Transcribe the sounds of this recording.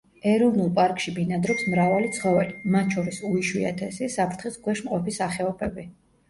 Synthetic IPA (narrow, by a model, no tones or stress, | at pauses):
ɛɾɔvnulˠpʼaɾkʼʃibinad̪ɾɔpsmɾavalit̪sʰχɔvɛlimat̪̚t͡ʃʰɔɾisuiʃwia̰t̪ʰɛsisapʰɾt̪ʰχisɡwɛʃmqʼɔpisaχɛɔpʰɛbi